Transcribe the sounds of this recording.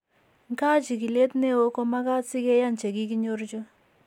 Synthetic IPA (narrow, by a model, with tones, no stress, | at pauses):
ŋ˦ka˦t͡ʃi˨ki˨le˦tne˦wo˦ko˦ma˦ka˦si˦ke˦ja˦nt͡ʃe˨ki˦ki˦ɲo˦ɾt͡ʃo˦